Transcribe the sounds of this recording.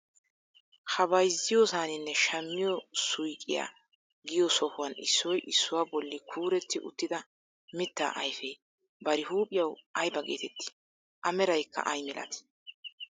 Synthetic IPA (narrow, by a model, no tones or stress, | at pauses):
hɐbɐjzːɪjoːsaːnɪnːɛʃɐmːɪjɔsʊjkʼːɪja̰ː | ɡɪjɔsɔhʊwɐnɪ̰sːɔjʔɪsːʊwaːbɔlːɪkʰuːɾɛt̪ːɪʔʊ̰t̪ːɪd̪ɐ | mɪt̪ːa̰ːʔɐjfɛj | bɐɾɪhuːpʼɪjɐwʔɐjbɐɡḛːt̪ɛt̪ːɪ̥ | ʔɐmɛɾɐjkʰːɐ̰ʔɐjmɪlɐ̰t̪ɪ̥